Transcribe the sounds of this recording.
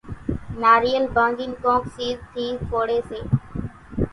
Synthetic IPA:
naːɾiːəlbə̃ːd͡ʒiːnkõːksiːzt̪ʰiːzpʰoːɽeːseː

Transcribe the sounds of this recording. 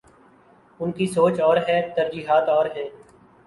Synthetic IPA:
ʊnkisoːt͡ʃɔːɾɦɛːt̪əɾd͡ʒiːɦaːt̪ɔːɾɦɛː

